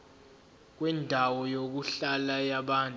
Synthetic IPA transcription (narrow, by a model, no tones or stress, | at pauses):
k̬wɛndʱawɔjok̬uɬalajaɓaːntʼ